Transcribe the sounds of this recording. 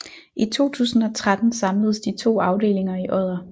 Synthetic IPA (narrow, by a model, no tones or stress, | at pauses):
ʔit͡sʰo̝̰ːt͡sʰṵːsn̩ɒ̽t͡sʰʁad̥n̩sɑ̈mləðˠəsd̥it͡sʰo̝̰ːɑ̈ʊd̥e̝̰ːle̝ŋɐiʔɒð̰ˠɐ